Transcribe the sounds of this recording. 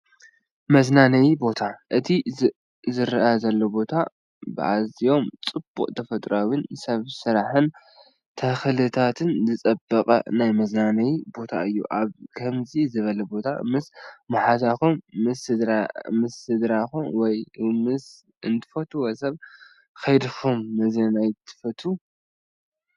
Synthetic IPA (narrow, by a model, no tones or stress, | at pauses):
mɐznanɐjibo̞t̪ʰaʔɨt̪ʰi | zɨɾʔazɐlːobo̞t̪ʰa | bɨʔa̰zio̞mt͡sʼɨb̥ṵqʼt̪ʰɐfɐt̪ʼɾawɪnsɐβsɨɾaħɨn | t̪ʰɐxlɨt̪ʰat̪ʰɨnzɨt͡sʼɐbːɐkʼɐ̰najmɐznanɐjibo̞t̪ʰa̰ʔɨjːṵʔaβkʰɐmzizɨβɐlɐbo̞t̪ʰa̰mɨsmɐħat̪axumɨsɨmɨsɨd̪ɾaxumwɔjmɨs | ɨnt̪ʰɨ̥fɐt̪ʰuwɐsɐβ | kʰɐjd̪ɨxumːɨzɐnajt̪ʰɨ̥fɐt̪ʰu